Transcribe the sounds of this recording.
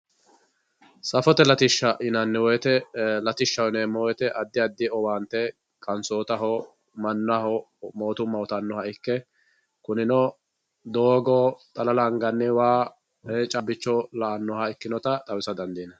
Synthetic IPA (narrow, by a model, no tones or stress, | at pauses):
sɐfɔt̪ɛlɐt̪ɪʃːɐʔɪnɐnːɛwɔjɛt̪ɛlɐt̪ɪʃːɐwnɛmːɔwɔjɛt̪ɛʔɐd̪ːɪɐd̪ːɪɔwaːnt̪ːɛ | kʼɐnsoːt̪ɐɦɔ | mɐnːahɔmoːt̪ʊmːɐwɔt̪ɐnːɔhɐɪkːɛ | kʊnɪnɔ | d̪oːɡɔt̪ʼɐlɐlɐŋɡɐnːɛwaː | et͡ʃʼɐbɪt͡ʃːɔlɐʔɐnːɔhɐɪkːɪnɔt̪ɐt̪ʼɐwɪsɐd̪ɐnd̪iːnɐ